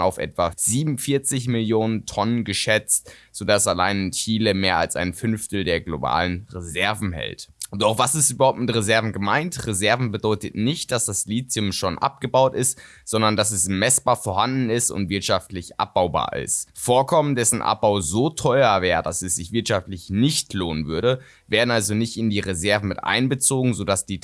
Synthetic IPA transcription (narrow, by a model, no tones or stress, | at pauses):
aʊfʔɛ̰tv̥az̥iːbm̩fɪɐt͡sɪçmɪljoːnəntʰɔnənɡəʃɛt͡stz̥odasalaɪnɪnçiːləmeːɐalsa̰ɪnfʏnftl̩deːɐɡloba̰ːlənʁezɛɐvn̩hɛ̰ltʔʊntaʊxv̥asɪstʔybɐhaʊp̚t̚mɪtʁezɛɐvn̩ɡəmaɪntʁezɛɐvn̩bədɔʏtətnɪçt̚d̥asd̥asliːt͡sʊmʃoːnʔa̰p̚ɡ̥əbaʊtɪst | z̥ɔndɐndas̬ɛsmɛsb̥aːɐfoːɐhandn̩ɪstʊ̰ntv̥ɪɐtʃaftlɪçʔa̰p̚b̥aʊba̰ːɐʔɪ̰stfoːɐkʰɔməndɛsn̩ʔa̰p̚b̥aʊzoːtʰɔʏɐvɛːʁədasɛsz̥ɪçv̥ɪɐtʃaftlɪçnɪçtloːnənvʏɐɾə | veːɐdn̩ʔalzonɪçtɪndiːʁezɛɐvn̩mɪtʔa̰ɪnbət͡soːɡŋ̩zodasd̥iː